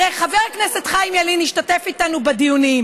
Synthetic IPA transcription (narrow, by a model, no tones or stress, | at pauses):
eχaveʁkneset̪χajimjaliniʃtate̞fit̪anubed̪ijunim